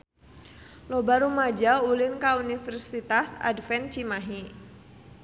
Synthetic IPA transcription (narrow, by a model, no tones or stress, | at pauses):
lobaɾumad͡ʒaulɪnkaunifɛrsit̪asa̰dfɛnt͡ʃimaɦi